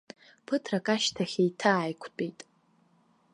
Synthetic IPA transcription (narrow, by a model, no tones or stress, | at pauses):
pʰɨtʰrakʼaʃtʰaχʲejtʰaːjkʷʰt͡pʼejtʼ